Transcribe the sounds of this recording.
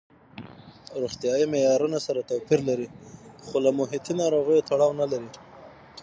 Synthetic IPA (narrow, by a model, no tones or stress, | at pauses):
ɾuxt̪jɑjimejɑɾunasaɾat̪apiɾlaɾixolamʊɦɪt̪inɑɾoɣəjot̪aɽɑwnalaɾi